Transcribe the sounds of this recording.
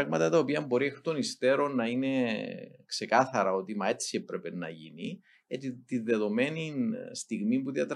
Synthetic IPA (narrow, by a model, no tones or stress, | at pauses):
ɣmɐt̪ɐt̪ɐo̞piɐmbo̞ɾiexot̪o̞nist̪e̞ɾo̞nːɐine̞ | kse̞kɐθɐɾɐo̞t̪imɐe̞t̪t͡siepɾepenːɐ̰ʝḭni | et̪it̪inðe̞ðo̞me̞ninst̪iɣmimpuðiɐt̪ɾ